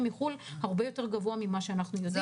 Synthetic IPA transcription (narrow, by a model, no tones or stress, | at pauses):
miχulhaʁbejo̞teʁɡavoamimaʃe̞anaχnujo̞di